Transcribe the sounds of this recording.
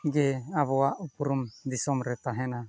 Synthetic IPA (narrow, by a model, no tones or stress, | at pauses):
ɡɛaβoaʔupuɾumd̪isɔmɾɛt̪aɦɛna